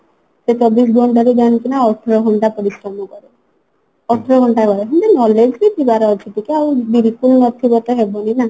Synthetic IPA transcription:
set͡ʃɔbisɡʱɔɳɖɔɾiɡankinaɔʈʰɾɔɦɔɳɖapɔɾisɾɔmɔkɔɾe | ɔʈʰɾɔɡɔɳɖakɔɾeɦnt̪enɔled͡ʒkit̪ʰibaɾeɔt͡ʃʰit̪ikeawb̪iɾikulnɔt̪ʰibɔt̪ɔɦebɔnina

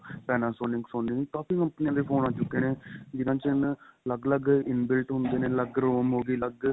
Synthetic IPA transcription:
pɛːnãːsoːnɪ̃ŋɡsoːnɪ̃ŋk̪aːpʰiːəpnijãːd̪iːpʰoːnãːt͡ʃʊkːeːneːd͡ʒɪnãːt͡ʃənləɡləɡɪnbɪlʈɦʊnd̪eːneːləɡɾoːmɦoːɡiːləɡ

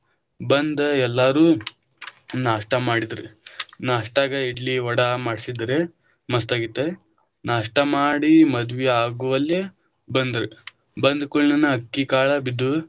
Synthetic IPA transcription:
bɐnd̪ɐɛlːaːɾuː | naːʂʈɐmaːɽid̪ɾenaːʂʈaːɡɐiɖliɔɽɐmaːɽisid̪ɾe | mɐst̪aːɡit̪ːe | naːʂʈɐmaːɽimɐd̪ʋiaːɡuʋɐlːe | bɐnd̪ɾe | bɐnd̪kuɭnɐnːɐɐkːikaːɭɐbid̪ːu

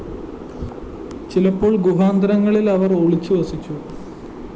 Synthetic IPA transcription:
t͡ɕilɐpːo̞ːɭɡuɦaːnd̪ɐɾɐŋːɐɭilɐʋɐroɭit͡ɕːuʋɐsit͡ɕːu

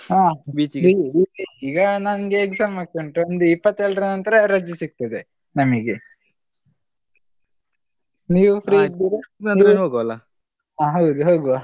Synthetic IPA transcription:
aːbiːt͡ʃiɾiːiiɡɐnɐnɡeːkzaːmaːɡkoɳʈuond̪uipːɐt̪ːɛɭɖɾɐnɐnt̪ɐɾeɾɐd͡ʒːusik̚t̪ɐd̪e | nɐmiɡe | niːʋupʰɾiid̪iɾiɐnd̪enɦoɡɐʋɐlːa | aɦɐwd̪uɦoːɡu

